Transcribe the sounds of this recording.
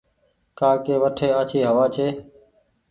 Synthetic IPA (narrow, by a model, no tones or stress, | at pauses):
kaːkeːʋəʈʰeːaːt͡ʃʰiːɦəʋaːt͡ʃʰeː